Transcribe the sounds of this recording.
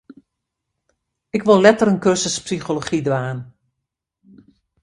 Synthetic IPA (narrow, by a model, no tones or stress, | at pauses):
ɪkʋolˠlɛtəɾənkørsəspsixoloχidʋaːn